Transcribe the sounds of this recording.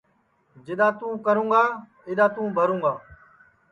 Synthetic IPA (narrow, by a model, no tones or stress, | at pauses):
d͡ʒɪɗãːt̪ũːkəɾũːɡaː | ɪɗãːt̪ũːbʱəɾũːɡaː